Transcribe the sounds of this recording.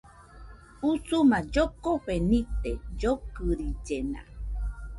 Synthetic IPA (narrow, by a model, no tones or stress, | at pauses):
usumãd͡ʒokoɸenĩt̪ed͡ʒokɨɾid͡ʒenã̰